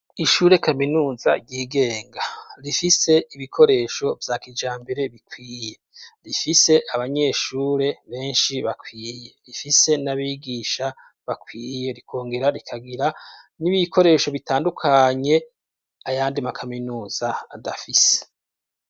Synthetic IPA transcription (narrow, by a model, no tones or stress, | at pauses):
iʃuːɾe̞kaminuːzaɟiːɡe̞ːŋɡaɾifise̞ʔiβikʰo̞ɾe̞ːʃo̞vjaːkid͡ʒaːmbe̞ɾe̞βikwiːje̞ɾifise̞ʔaβaɲe̞ːʃuːɾe̞βe̞ːnʃiβakʰwiːje̞ɾifise̞naβiɡiːʃa | βakʰwiːje̞ɾikʰoːŋɡeɾaɾikʰaɡiɾa | niβikʰo̞ɾe̞ːʃo̞βitaːndukʰaɲe̞ | ajaːndimakʰaminuːz̥a̰ːdafise̥